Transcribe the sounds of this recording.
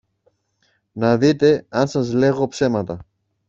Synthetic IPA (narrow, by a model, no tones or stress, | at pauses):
nɐðit̪e̞ɐnsɐzle̞ɣo̞pse̞mɐt̪ɐ